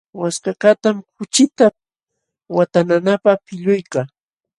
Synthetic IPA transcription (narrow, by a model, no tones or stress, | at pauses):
waskakat̪amkʊt͡ʃɪt̪a | wat̪ananapapɪʎʊjkaː